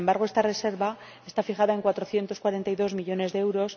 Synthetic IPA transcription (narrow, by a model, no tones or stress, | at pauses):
embaɾɣ̞o̞e̞st̪are̞se̞ɾβa | e̞st̪afixaðae̞ŋkwat̪ɾo̞θje̞nt̪o̞skwaɾe̞nt̪ajðo̞zmiʎo̞ne̞zðeewɾo̞s